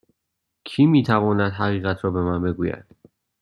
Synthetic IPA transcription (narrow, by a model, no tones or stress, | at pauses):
kʰiːmiːt̪ʰævɒːnæd̪̥ɦæɣiːɣæt̪ʰɾɒːbe̞mænbe̞ɡuːjæ̰d̪̥